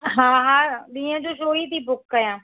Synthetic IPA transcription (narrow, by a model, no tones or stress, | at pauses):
ɦãːɦãːd̪iːãd͡ʒoːʃoːiːt̪iːbʊkːəjãː